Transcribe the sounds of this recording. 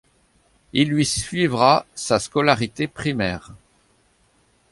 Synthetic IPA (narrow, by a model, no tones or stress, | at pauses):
ilːɥisɥivʁasaskɔlaʁit̪epχimɛːʁ